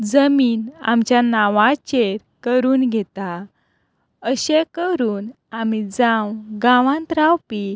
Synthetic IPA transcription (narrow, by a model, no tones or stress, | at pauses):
d͡zəmiːna̰mt͡ɕjanaʋat͡ɕeɾkəɾuːnɡʱɛt̪a | əɕekəɾuːn | amid͡zãwɡãʋãnt̪ɾawpi